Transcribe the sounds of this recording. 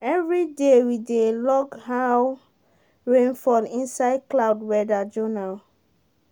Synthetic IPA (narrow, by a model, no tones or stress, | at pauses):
ɛvɹidewidelɔɡhaw | ɹẽnfɔlĩnsaɪd̚klawdwɛdad͡ʒonal